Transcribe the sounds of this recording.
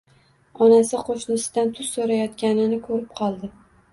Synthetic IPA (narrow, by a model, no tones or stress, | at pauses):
ɒnasɪqʰoʃnɪsɪd̪ant̪ʰʊzsoɾajɒt̪kʲanɪnɪkʰɵɾɪp̚qʰɒlˠd̪ɪ